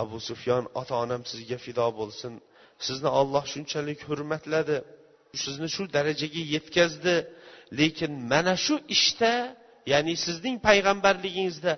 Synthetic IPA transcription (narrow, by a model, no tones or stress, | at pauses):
abʊsʊfjɒnɒ̰t̪ʰaɒnamsɪzɡʲafɪd̪ɒbolˠsɪn | sɪznɪɒlˠːɒhʃʊnt͡ʃʰalɪkʲhʊɾmat̪lad̪ɪ | ʊsɪznɪʃʊd̪aɾad͡ʒaɡʲaje̞t̪kʲazd̪ɪle̞kʲʰɪnmanaʃʊʔɪʃt̪a | janɪsɪznɪŋpʰajʁambaɾlɪɡʲɪŋɪzd̪a